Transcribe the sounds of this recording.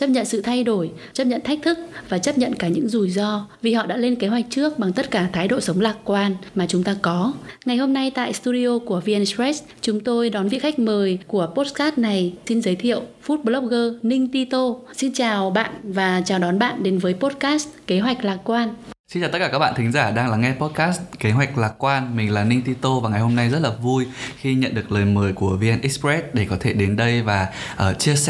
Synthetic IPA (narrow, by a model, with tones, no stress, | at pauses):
t͡ɕə˦˥p̚ɲə̰˧˨nsɨ̰˧˨t̪ʰa˧jɗo˧˩j | t͡ɕə˦˥p̚ɲə̰˧˨nt̪ʰa˦˥k̚t̪ʰɨ˦˥k̚vaː˨˩t͡ɕə˦˥p̚ɲə̰˧˨nkaː˧˩ɲɨ̰˧˥ŋzu˨˩jzɔ˧vi˨˩hɔ̰˧˨ɗa̰ː˧˥le˧nke˨˦ɦwa˨˩jk̚t͡ɕɨ˦˥ək̚ɓa˨˩ŋt̪ə˦˥t̚kaː˧˩t̪ʰaː˨˦jɗo̰˧˨sə˨˦wŋ͡mlaː˨˩k̚kwaː˧nmaː˨˩t͡ɕʊ˨˦ŋ͡mt̪aː˧kɔ˨˦ŋa˨˩jɦo˧mna˧jt̪a̰ː˧˨jst̪u˧ɗi˧o˧ku˧˩əvi˧ʔɛ˧nsɛ˦˥s | t͡ɕʊ˨˦ŋ͡mt̪o˧jɗɔ˨˦nvḭ˧˨kxa˦˥k̟̚məː˨˩jku˧˩əpo˦˥t̚kaː˦˥t̚na˨˩jsi˧nzəː˨˦jt̪ʰḭ˧˨əwfu˦˥t̚ɓlɔ˦˥p̚ɣəː˧nï˧ŋ̟t̪i˧t̪o˧si˧nt͡ɕaː˨˩wɓa̰ː˧˨nvaː˨˩t͡ɕaː˨˩wɗɔ˨˦nɓa̰ː˧˨nɗe˨˦nvəː˨˦jpo˦˥t̚kaː˦˥st̚ke˨˦ɦwa˨˩jk̟̚laː˨˩kwaː˧nsi˧nt͡ɕaː˨˩t̪̚kaː˧˩kːa˦˥k̚ɓa̰ː˧˨t̪ʰï˨˦ŋ̟zaː˧˩ɗaː˧ŋlaː˨˩ŋɛ˧po˦˥t̚kaː˦˥st̚ke˨˦ɦwa˨˩jk̟̚laː˨˩kwaː˧nmï˨˩ŋ̟laː˨˩nï˧ŋ̟t̪i˧t̪o˧vaː˨˩ŋa˨˩jho˧mna˧jzə˦˥t̚laː˨˩vu˧jxi˧ɲə̰˧˨nɗɨ˨˩ək̚ləː˨˩jməː˨˩jku˧˩əvi˧ʔɛ˧nʔi˦˥spɛ˦˥t̚ɗe˧˩kɔ˨˦t̪ʰe˧˩ɗe˨˦nɗə˧jvaː˨˩ʔəː˧˩t͡ɕi˧əs